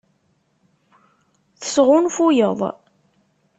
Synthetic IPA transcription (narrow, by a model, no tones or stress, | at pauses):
θə̥sʁʊnfujəðˤ